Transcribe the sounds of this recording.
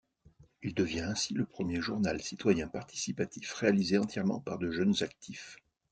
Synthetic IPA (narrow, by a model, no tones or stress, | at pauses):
ild̪əvjɛ̃ɛ̃siləpχəmjeʒuʁnalsit̪wajɛ̃paʁt̪i̥sipat̪ifʁealizeɑ̃t̪jɛʁmɑ̰̃paʁd̪əʒœnzak̚t̪ʰif